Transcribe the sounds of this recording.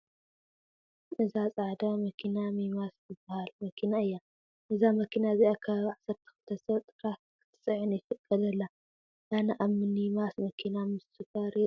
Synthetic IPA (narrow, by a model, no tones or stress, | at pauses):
ʔɨzat͡sʼaʕd̪amɐkʰinamimaszɨbːahalmɐkʰinaɨjːa | ʔɨzamɐkʰinaziʔakʰaβaʕsɐɾt̪ʰi̥xɨ̥t̪ʰɐsɐβt̪ʼɨɾa | kʰ | sʼɨʕɨnifɨkʼʰːɐlɐlːa | ʔanɐʔaβmɨnimasmɐkʰinamɨsɨfɐɾi